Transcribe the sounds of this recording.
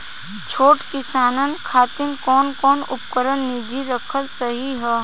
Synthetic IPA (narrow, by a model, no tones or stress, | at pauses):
t͡ʃʰoːʈkɪsaːnənkʰaːt̪ɪnkɔːnkɔːnʊpkəɾənːɪd͡ʒiɾəkʰəlsɐɦiɦɛː